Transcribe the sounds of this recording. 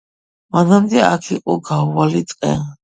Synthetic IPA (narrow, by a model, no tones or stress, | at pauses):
manamd̪ɛakʰiqʼɔɡavalit̪sʼqʼɛ